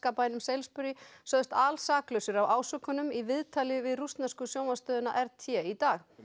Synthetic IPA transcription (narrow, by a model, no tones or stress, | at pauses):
kaːpajnʏmsɛjlspʏɾjɪsœðʏst̪aːlsaːklœɥsʏɾawʔaːwsœkːʏnʏmivɪðt̪ʰaːlɪvɪðrust̪naskʏsjoːwmast̪œːðʏna̰ʔɛɾt̪ʰjɛit̪aːx